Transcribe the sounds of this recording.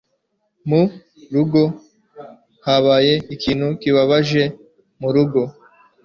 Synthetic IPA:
mu | ɾuɡo̞ | haβaːje̞ikiːnhukiβaβaʒe̞ | muɾuɡo̞

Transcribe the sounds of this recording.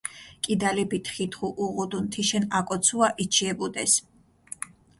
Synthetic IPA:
kʼid̪alipit̪ʰχit̪χuʔuʁud̪unt̪ʰiʃɛnakʼɔt̪sʰuaʔit͡ʃʰiɛbud̪ɛs

